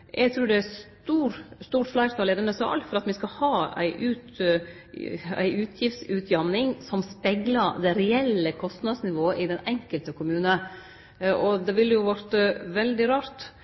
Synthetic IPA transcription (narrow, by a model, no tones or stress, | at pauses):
ʔɛɡt̪ʰɾʉːɖɛæstt̪uːɾst̪uːɾʈflæɪɾt̪ɑleːd̪ənəsɑ̰ɑ̰lt̪fɔɾɑt̪mɪskɑhɑːæ̰ɪʔʉːt̪ | æ̰ɪʔʉːt̪ʰjɪft̪sʉːt̪ʰjɑnnɪŋsɔmspɛɡlɑɾd̪ɛɾɛɛlːəkʰɔst̪nɑd̪snɪʋoːəʔɪd̪ɛnɛŋkəlt̪əkʰʊmʉːnə | ʔɔd̪ɛʋɪlːəjʊʋɔɾt̪əʋɛld̪ɪɾɑːɾt̪